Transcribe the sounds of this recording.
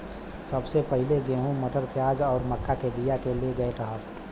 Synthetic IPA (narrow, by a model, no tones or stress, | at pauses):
səbsepəɦɪleɡeːɦũməʈəɾpjaːd͡ʒɔːɾməkːakebijakeleɡəeɾəɦət̪